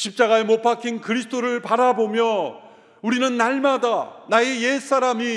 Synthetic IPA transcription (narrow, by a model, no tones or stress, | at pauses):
ɕʰip̚t͡ɕ͈aɡaemopʰakʰinkɯɾisʰɯ̥t͈ʰoɾɯɭpaɾabomjʌ | uɾinɯnːaɭmadanae̞jes͈aɾami